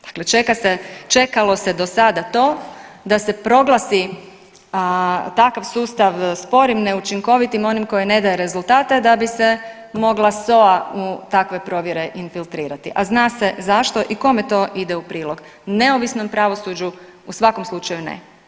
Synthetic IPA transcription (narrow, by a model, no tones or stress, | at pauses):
d̪̥ḁkle̞t͡ʃekaset͡ʃe̞kalo̞se̞d̪o̞sad̪at̪o̞ːd̪ase̞pɾo̞ɡlˠasi | t̪akaʋsuːst̪aʋspo̞ɾimneut͡ʃiŋko̞ʋit̪imo̞nimko̞jene̞d̪aje̞ɾe̞zulˠt̪aːt̪ed̪abise̞ | mo̞ɡlˠaso̞aut̪akʋe̞pɾo̞ʋjeɾe̞ʔinfilˠt̪ɾiːɾat̪iʔaznaːse̞zaʃt̪o̞ʔiko̞me̞t̪o̞ːʔid̪eupɾiːlo̞ɡ | ne̞oʋisno̞mpɾaʋo̞suːd͡ʒu | usʋako̞mslˠut͡ʃajunḛ